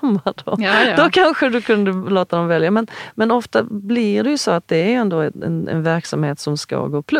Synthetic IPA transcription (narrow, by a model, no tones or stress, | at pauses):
mːad̪od̪ɔkʰanɧəd̪ɵkʰɵnd̪əloːt̪ad̪ɔmvɛljamɛnmɛnɔft̪ablɪɖɛjɵsoat̪̚d̪ɛæɾjɵɛnd̪oːɛɛ̰nɛ̰nvæɾksamheːt̪sɔmska̰ɡoːpʰl